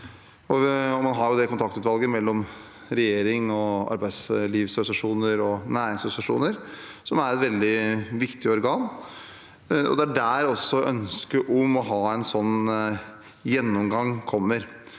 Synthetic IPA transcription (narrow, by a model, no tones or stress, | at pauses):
ɔɔmɑnɦɑɾjʊd̪ɛkʰʊnt̪ɑkt̪ʉt̪ʋɑlɡəmɛlːɔm | ɾɛjeːɾɪŋɔɑ̰ɾbæɪsliːʋsɾsɑʂuːnəɾɔnæːɾɪŋsʊsɑʂṵːnəɾ | sɔmæɾɛt̪ʋɛld̪ɪʋɪkt̪ɪɔɾɡɑːn | ɔ̰d̪ɛæɖæːɾɔsːɔʔœnskəɾʔɔmɔɦɑːɛnsɔnː | jɛnːɔmɡɑŋkʰɔmːəɾ